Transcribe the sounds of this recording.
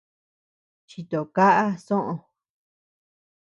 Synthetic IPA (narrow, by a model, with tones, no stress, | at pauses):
t͡ʃi˧˨t̪o˨ka˦ʔa˦sõ˦ʔõ˧